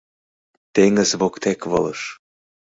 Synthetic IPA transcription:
t̪eŋə̆zβokt̪ekβɤ̰lɤ̰ʃ

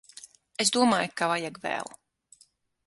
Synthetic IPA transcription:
esd̪uɔmaːjukavajɛɡvæ̰ːlˠu

